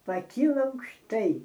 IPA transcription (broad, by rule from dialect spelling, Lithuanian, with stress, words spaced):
pɐˈkʲiːlˠɐ ɐʊkʃˈtɐɪ